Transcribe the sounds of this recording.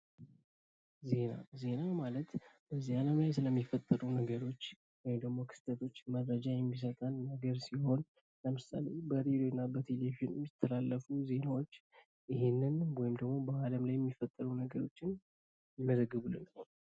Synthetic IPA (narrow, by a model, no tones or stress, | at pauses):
ze̞na̰ze̞namalət̪b̥əzːialəmlajsɨləmːifət̪ʼːəɾunəɡəɾo̞t͡ʃː | wɔjɪmd̪əɡmo̞kʰɨ̥st̪ʰʼət̪ʰo̞t͡ʃːməɾːəd͡ʒajɛmːis̬ət̪ʼənːəɡəɾsiho̞n | ləmɨsa̰le̞bəɾed̪oɪnːabət̪ʰelevionɛmːjɪt̪ʰːəlalːəfuze̞nawo̞t͡ʃː | ʔɪɦenːɨnwɔjɪmd̪əɡmo̞bəaləmlajɛmːifət̪ʼːəɾunəɡəɾo̞t͡ʃːɪn | jɪməzəɡːɨβulːɨnːə